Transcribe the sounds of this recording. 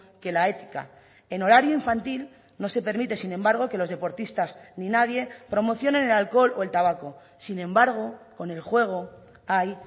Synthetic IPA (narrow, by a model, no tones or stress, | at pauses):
ke̞lae̞t̪ika̰ | e̞no̞ɾaɾjoiɱfant̪il | no̞se̞pe̞ɾmit̪e̞sinẽ̞mbaɾɣ̞o̞ke̞lo̞zðe̞po̞ɾt̪ist̪azninaðje̞pɾo̞mo̞θjo̞nẽ̞nelalko̞lo̞e̞lt̪aβ̞ako̞ | sinẽmbaɾɣ̞o̞ko̞ne̞lxwe̞ɣ̞o̞ | aj